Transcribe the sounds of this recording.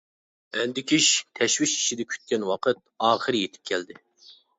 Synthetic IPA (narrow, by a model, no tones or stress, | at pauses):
ɛnd̪ɪkʲʰiʃt̪ʰɛʃwiʃi̥ʃid̪ɛkʲʰy̥t̪̚kʲɛnwɑqʰət̪̚ɑːχəɾɨjet̪ʰɪ̥p̚kʲʰɛld̪ɪ